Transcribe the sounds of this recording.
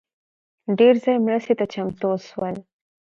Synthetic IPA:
ɖeɾzɑjmɾəst̪et̪at͡ʃamt̪oswəl

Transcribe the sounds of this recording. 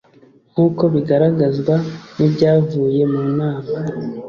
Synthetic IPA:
ŋ̥uːko̞βiɡaɾaɡazɡwanibɟaːvuːje̞munaːma

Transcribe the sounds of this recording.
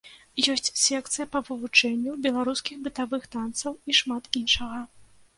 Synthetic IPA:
jɔsʲt͡sʲsʲɛk̚t̪sɨjɐpɐvɨvut͡ʂɛnʲːubʲɛlˠaɾuskʲixbɨt̪avɨxt̪ant̪sɐwiʂmat̪inʂɐɣɐ

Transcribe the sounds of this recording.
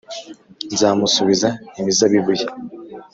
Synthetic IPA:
nzaːmusuβizaimizaβiβuje

